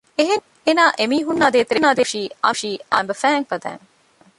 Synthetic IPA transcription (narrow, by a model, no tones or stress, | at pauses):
eɦeŋ | enaːʔemiːɦunːaːd̪eːt̪eɾenaːd̪eʃiːɐ̰ʃiːa̰mbɐfæːŋfɐd̪æ̰ːŋ